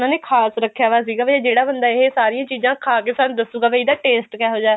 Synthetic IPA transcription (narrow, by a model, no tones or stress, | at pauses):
nãːneːkʰaːsɾəkʰːjaːʋaːs̬iːɡaːbed͡ʒeːɽaːbənd̪aːɪɦeːsaːɾijãːt͡ʃiːzãːkʰaːk̬eːsaːnd̪əuːɡaːbeid̪aːʈeːsʈkɛːɦoːd͡ʒaːɛ